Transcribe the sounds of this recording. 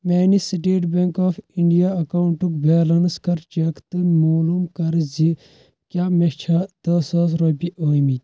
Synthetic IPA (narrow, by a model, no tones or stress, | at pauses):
meːnisiʈeːʈbeŋkɔːfiɳɖijaːɐkauɳʈukbeːlɐnskɐɾt͡ʃɐkt̪ɨmoːlumkɐɾzi | kʲjaːmet͡ʃʰaːt̪ɐːsaːs̬ɾoːpiʔoːmit̪ʲ